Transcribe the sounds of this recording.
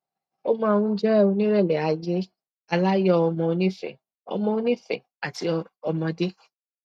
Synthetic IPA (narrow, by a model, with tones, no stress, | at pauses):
o˦mã˦˨˧ũ˦d͡ʒɛ˦ɛ˦˧˨o˧nĩ˦ɾɛ˦˨lɛ˨a˨je˦ | a˧la˦jɔ˦ɔ˧mɔ̃˧o˧nĩ˦fɛ̰˨ | ɔ̰˧mɔ̃˧o˧˦nĩ˦˨fɛ̰˨ | a˨ti˧˦˧ɔ˧mɔ̃˧de˦